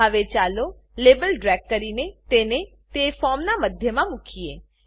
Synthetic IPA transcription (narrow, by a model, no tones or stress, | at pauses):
aʋet͡ʃalo | lebəlɖɾɛɡ̚ːəɾinet̪ene | t̪efɔmnaməd̪ʱjəmãmukʰie